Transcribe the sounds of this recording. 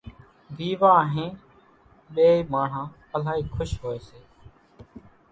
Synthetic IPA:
ʋ̪iːʋãːɦẽː | ɓeːiːmaːɳ̤ãː | əlaːɦiːkʰʊʃɦoːeːseː

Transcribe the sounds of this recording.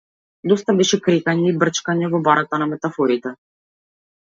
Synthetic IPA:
d̪ɔst̪abɛʃɛkɾɛkaɲɛibr̩t͡ʃkaɲɛvɔbaɾat̪anamɛt̪afɔɾit̪ɛ

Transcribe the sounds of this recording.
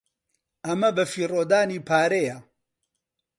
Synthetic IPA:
ʔɐmɐbɐfiːroːd̪aːniːpʰaːɾejɐ

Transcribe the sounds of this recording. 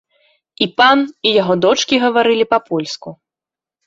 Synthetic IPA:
ipanijaɣɔd̪ɔt͡ʂkʲiɣɐvaɾɨlʲipɐpʰɔlʲsku

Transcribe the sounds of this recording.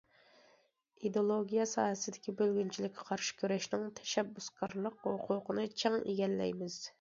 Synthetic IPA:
id̪olˠoɡʲijɑsɑ̰ːhɛsɪd̪ɪ̥kʲibølɡʲynt͡ʃʰilɪkʲʰːɛqʰɑɾʃɪ̥kʲʰøɾɛʃnɪŋt̪ʰɛ̥ʃɛbːuskʰɑɾlˠəqhoqʰuːqənɨt͡ʃʰɛŋḛɡʲɛlːɛ̰jmɪz̥

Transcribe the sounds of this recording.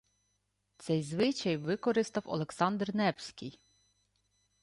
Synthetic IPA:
t̪sɛjzʋɪt͡ʃɐjʋɪkɔɾɪst̪ɐwɔ̰lˠeksɑnd̪rnɛpsʲkʲɪj

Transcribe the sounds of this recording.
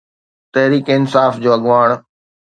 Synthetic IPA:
t̪ɐɦɾiːkeɪnsaːfd͡ʑoːɐɠʋaːɽ̃

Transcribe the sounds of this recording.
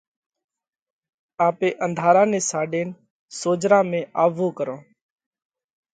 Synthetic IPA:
aːpeːʔənd̪ʱaːɾãːneːsaːɖeːn | soːd͡ʒɾãːmẽːʔaːʋoːkəɾõː

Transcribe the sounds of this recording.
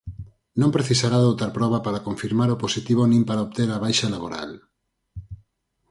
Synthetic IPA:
nõmpɾeθisaɾaðowt̪aɾpɾɔβ̞apaɾakoɱfiɾmaɾoposit̪iβ̞onĩmpaɾaopt̪eɾaβajʃalaβo̰ɾa̰l

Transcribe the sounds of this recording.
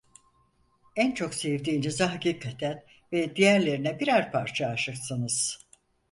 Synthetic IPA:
ænt͡ʃʰo̞ksevd̪iːnezaɦaciːkʰat̪ʰæn | vɛd̪ijæɾlʲe̞ɾinɛbiɾaɾpʰaɾt͡ʃʰaːʃɯksɯnɯz̥

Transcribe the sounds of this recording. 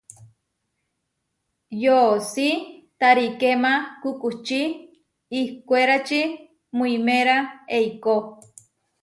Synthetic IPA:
josit̪aɾikemakukuht͡ʃiː | hkʷeɾat͡ʃi | muimeɾaeiko

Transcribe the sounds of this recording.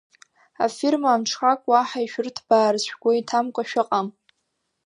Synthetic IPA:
a̰firmaːmʈ͡ʂʰχakʷʼwaħaiʃᶣʊrtʰb̥aːrt͡ɕʷʰᶣɡʷaitʰamkʷʼaʃᶣɪqʼam

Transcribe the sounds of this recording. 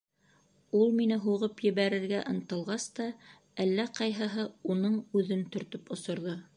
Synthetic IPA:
ulˠminɘɦuʁɤpjɘ̆βæɾɘ̆ɾɡæʔɤ̆nt̪ɤ̆lˠʁɑst̪ɑ | ælːæqɑjɦɤ̆ɦɤunɤɴʉðɵnt̪ɵ̆ɾt̪ɵpŏsŏɾðo

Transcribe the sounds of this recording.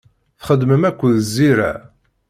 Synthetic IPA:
θχəd̪məmækʷːəðzːiɾæ̰

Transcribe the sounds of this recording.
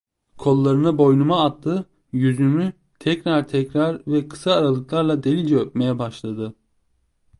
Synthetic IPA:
kʰo̞lˠːaɾɯnabo̞jnumaːt̪ːɯ | jyzymy | t̪ʰɛcɾaɾt̪ʰɛcɾaɾvɛkʰɯ̥saːɾalˠɯklˠaɾlˠad̪e̞lʲid͡ʒɛøp̚me̞jɛbaʃlˠad̪ɯ

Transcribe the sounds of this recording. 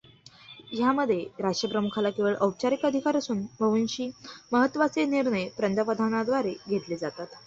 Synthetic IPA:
jaməd̪ʱjeɾaʂʈəpɾəmukʰalakeʋəɭʔəwt͡ɕaɾikəd̪ʱikaɾəsuːnbʱəʋinɕiːməɦət̪ːʋat͡seniɾɳəjpɾənd̪əpəd̪ʱanad̪ʋaɾeɡʱet̪led͡zat̪at̪

